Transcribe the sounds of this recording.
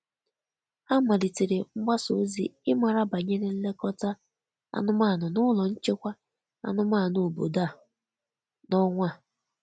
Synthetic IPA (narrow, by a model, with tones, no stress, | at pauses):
a˦ma˨li˨ti˨ɾe˨ŋ͡m̩˦ɡ͡ba˦so˨˦zḭ˦ɪ˦ma˨ɾa˦ba˨ɲe˦ɾe˦n̩˦le˦kɔ˦ta˦ | a̰˦nʊ˦ma˦˨nʊ˨nʊ˦lɔ˨n̩˦t͡ʃe˦kʷa˦ | a̰˦nʊ˦ma˦˨no˨bo̰˨da˦˨ | nɔ˦ŋʷa˦˨